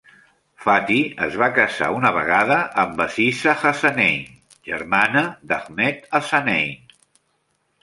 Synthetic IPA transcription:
fat̪iə̰zβakəza̰unəβəɣaðəʔːmbəsisəxasanɛ̰jn | ʒə̰ɾmanəd̪aɣmɛt̪əsanɛjn

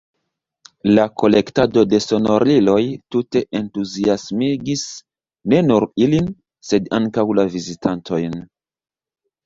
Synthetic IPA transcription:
lako̞le̞ktado̞de̞so̞no̞ɾlilo̞jtute̞ʔentuziasmiɡis | ne̞nuɾilin | se̞daŋkawlavizitantʰo̞jn

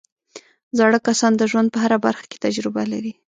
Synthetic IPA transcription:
zɑɽəkasɑnd̪əʒwand̪̚pəɦaɾabaɾxḁke̥t̪ad͡ʒɾɪbalaɾi

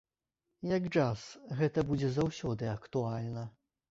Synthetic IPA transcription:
jɐɡt͡ʂasɣɛt̪ɐbud͡zʲɛzawsʲɔd̪ɨɐkt̪ualʲnɐ

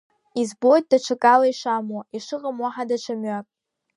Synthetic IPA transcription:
izbojt̚ʼdaʈ͡ʂʷʰakʼalaiʂamoiʂɨqʼamwaħadaʈ͡ʂʰamɥakʼ

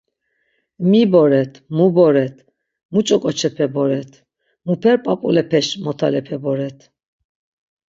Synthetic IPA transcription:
mibɔɾɛt̪ʰmubɔɾɛt̪ʰ | mut͡ʃʼɔkʼɔt͡ʃʰɛpʰɛbɔɾɛt̪ʰ | mupʰɛɾpʼapʼulɛpʰɛʃmɔt̪ʰalɛpʰɛbɔɾɛt̪ʰ

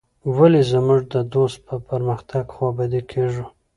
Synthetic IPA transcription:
walezəmʊʐd̪əd̪ost̪̚pəpəɾməxt̪ʰaɡxwɑbad̪ekʰeʐu

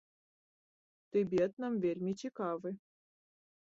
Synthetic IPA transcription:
t̪ɨbʲet̪nɤ̆mvʲerʲmʲit͡ɕikɑvɨ

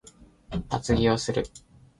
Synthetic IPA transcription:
at͡sɨɡʲio̞sɨɾɯ̟̰

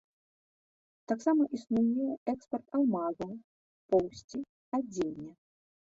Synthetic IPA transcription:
t̪aksamɐʔisnujʲɛjɛkspɐrt̪awmaɣɐw | pɔwsʲt͡sʲi | ad͡zʲelʲnʲːɐ

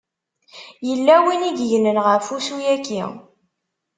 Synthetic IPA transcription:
jəlːæwinid̪ʝnənʁəɾfusujækːḭ

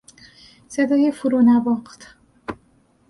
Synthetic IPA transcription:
sed̪ɒːjefuɾonæbɒχt̪ʰ

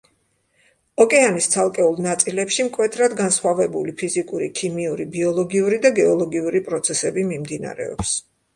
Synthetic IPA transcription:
ɔkʼɛanist̪sʰalˠkʼɛulˠnat̪sʼilɛpʃimkʼwɛt̪ʰɾad̪ɡansχwavɛbulipʰizikʼuɾikʰimiuɾibiɔlˠɔɡiuɾid̪aɡɛɔlˠɔɡiuɾipʼɾɔt̪sʰɛsɛbimimd̪ina̰ɾɛ̰ɔps

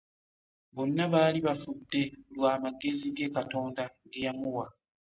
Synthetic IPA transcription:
βo̞nːaβaːliβafudːe̞lwaːmaɡe̞ziɡe̞ːkato̞ːndaɡejamuwa

